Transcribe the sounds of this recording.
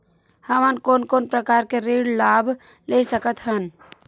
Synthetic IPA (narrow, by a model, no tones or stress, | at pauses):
həmənkoːnkoːnpɾəkaːɾkeɾiːɽlaːb | lesəkət̪ɦən